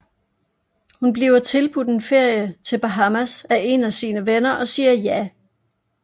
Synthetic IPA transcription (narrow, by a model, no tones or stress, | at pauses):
hunb̥liʊɐt͡sʰe̝lb̥ud̥e̝nfe̝ɐ̰jət͡sʰe̝lb̥æɦɑmæsæʔe̝næsiːnəʋenɐʔɒ̽siːɐjæ